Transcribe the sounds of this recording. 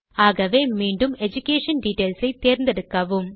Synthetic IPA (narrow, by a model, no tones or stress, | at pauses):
aːɣɐʋemiːɳɖumed͡ʑukʲːeːʂɐnɖiʈːeːlsɐɪt̪eːɾnd̪eɽukːɐʋum